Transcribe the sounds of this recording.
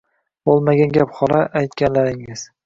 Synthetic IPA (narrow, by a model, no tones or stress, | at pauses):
bolˠmaɡʲanɡʲapχɒɾaʔajt̪kʲanlaɾɪŋɪz̥